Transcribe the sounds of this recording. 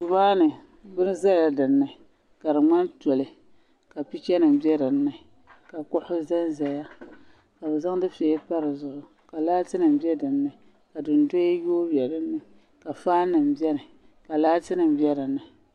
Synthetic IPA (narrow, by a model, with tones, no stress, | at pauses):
tu˨maː˦nɨ˨ | bɨ˦nɨ˦za˦la˦dɨ˨nːɨ˨ | ka˨ɾɨ˨ŋ͡ma˦nto˨lɨ˨ | ka˨pi˦t͡ʃɛ˦nɨ˨m˦bɛ˦ɾɨ˨n̩ː˦ɨ˨ | ka˨kʊ˦hʊ˦zɛ˦nza˨ja˦ | ka˨bɛ˨za˦ŋ˦dɨ˦fe˨˦pa˦ɾɨ˨zʊ˦˨ʔʊ˨ | ka˨laː˦tɨ˦nɨ˨m˨bi˦ɛ˦dɨ˨nːɨ˨ | ka˨dɨ˨n˨do˦jjoː˦bɛ˨ɾɨ˦nːɨ˨ | ka˨faː˦nːɨ˨m̩˨bɛ˦nɨ˨ | ka˨laː˦tɨ˦nɨ˨m˦bjɛ˦ɾɨ˨nɨ˨